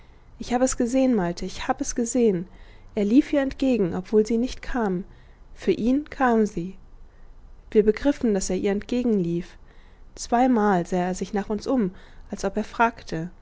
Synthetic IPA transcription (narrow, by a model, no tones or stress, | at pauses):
ʔɪçhaːbəɛsɡ̥əzeːənmaɪltʰəɪçhaːbəɛsɡ̥əzeːən | ʔeːɐliːfʔiːɐɛntɡ̥eːɡŋ̩ʔɔpv̥oːlziːnɪçtkʰaːm | fyːɐʔiːnkʰaːmziː | v̥iːɐbəɡʁɪfn̩d̥aseːɐʔiːɐɛntɡ̥eːɡŋ̩liːf | t͡sv̥aɪmaːlzaːeːɐzɪçnaːχʊnsʔʊmʔalsʔɔpeːɐfʁ̥aːktʰə